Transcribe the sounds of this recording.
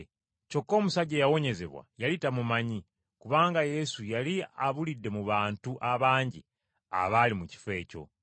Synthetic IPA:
co̞kːo̞ːmusaɟe̞jawo̞ɲe̞ze̞̰βwa̰jalitamumaɲi | kuβaːŋɡaje̞sujaliaβulidːe̞muβaːntuʔaβaːɲɟḭ | a̰βalimuci̥fe̞ːco̞̰

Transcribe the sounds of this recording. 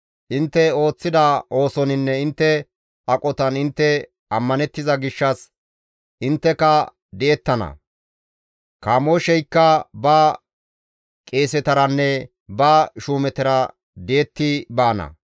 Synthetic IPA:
ʔɪnt̪ːɛo̞ːt͡sːɪd̪ɐo̞ːsɔnɪnːɛɪnt̪ːɛ | ɐkʼɔt̪ɐnɪnt̪ːɛ | ɐmːɐnɛt̪ːɪzɐɡɪʃːɐs | ʔɪnt̪ːɛkɐ | d̪ɛɛt̪ːɐnɐ̰ | kaːmoʃɛjkːɐbaː | kʼe̞ːsɛt̪ɐɾɐnːɛ | baːʃuːmɛt̪ɛɾɐ | d̪eɛt̪ːɪbaːnɐ̰

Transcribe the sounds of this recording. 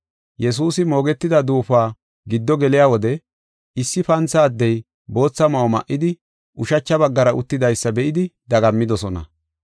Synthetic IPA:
jɛs̬uːsɪmo̞ːɡɛt̪ːɪd̪ɐd̪uːfaː | ɡɪd̪ːɔɡɛlɪjaːwɔd̪ɛ | ɪsːɪpɐnt͡sːaːd̪ːɛj | bo̞ːt͡sːɐmɐwɔmɐ̰ʔːɪd̪ɪ | ʔʊʃɐt͡ʃːɐbɐɡːɐɾɐʔʊt̪ːɪd̪ɐjsːɐbɛʔɪd̪ɪd̪ɐɡɐmːɪd̪ɔsɔnɐ̰

